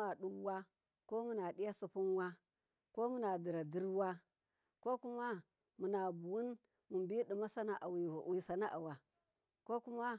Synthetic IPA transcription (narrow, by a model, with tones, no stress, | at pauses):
a˨ɗu˦wa˦ | ko˦mu˦na˨ɗi˦ja˦su˨pu˦n˦wa˦ | ko˦mu˦na˨di˨ɾa˨di˦ɾwa˦ | ko˦ku˦ma˦ | mu˨na˨bu˨wu˦n | mu˨mbi˦ɗi˨ma˦sa˦na˨ʔa˨wi˨u˨ʔi˦˨sa˨na˦ʔa̰˨wa˨ | ko˦ku˦ma˦